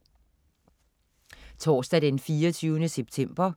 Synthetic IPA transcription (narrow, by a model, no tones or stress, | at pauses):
t͡sʰɒ̰ːsd̥ædenfiːɒt͡sʰyːʊnəseb̥̚t͡sʰem̰b̥ɐ